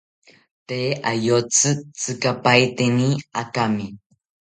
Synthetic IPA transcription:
t̪eʔajot͡sɨt͡sɨkapajt̪eniakami

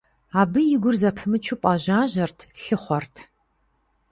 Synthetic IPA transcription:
aːbɨjɪɡʷʊrzɐpʰɨmɨt͡ʃʰʊpʷʼɑːʑaːʑɐrtʰɬɨχʷɔrtʰ

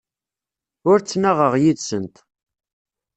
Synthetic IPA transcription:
ʊɾt͡sːnaʁəʁjiðsənt̪

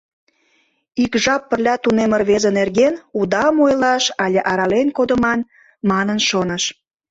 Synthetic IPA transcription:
ikʒɑpːərlʲɑt̪unemərβezənerɣenud̪ɑmojlɑʃɑlʲeʔɑɾɑlenkod̪əmɑn | mɑnənʃonəʃ

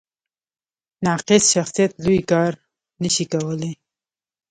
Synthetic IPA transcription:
nɑqɪsʃaxsijat̪lujkɑɾ | nəʃikawəle

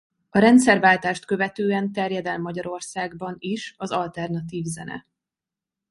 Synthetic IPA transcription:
ɒɾɛnt̪sɛrvaːlt̪aːʃt̪kø̞vɛt̪øːɛnt̪ɛrjɛd̪ɛlmːɒɟɒɾo̞rsaːɡbɒniʃɒzɒlt̪ɛrnɒt̪̬iːvzɛnɛ̰

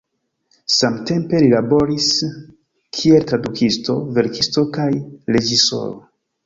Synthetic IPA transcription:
samte̞mpe̞lilabo̞ɾis | kʰie̞ltɾadukʰisto̞ve̞ɾkʰisto̞kajɾe̞d͡ʒiso̞̰ɾo̰

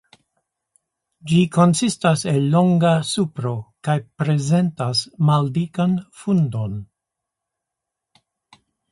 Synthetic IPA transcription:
d͡ʒikʰo̞nsistase̞lːo̞ŋɡasupɾo̞kajpɾe̞ze̞ntasmaldikanfundo̞n

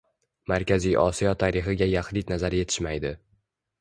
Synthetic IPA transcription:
maɾkʲʰazijʔɒ̰sijɒt̪ʰaɾɪχɨɡʲajaχlinazaɾje̞t̪ʰɪ̥ʃmajd̪ɪ

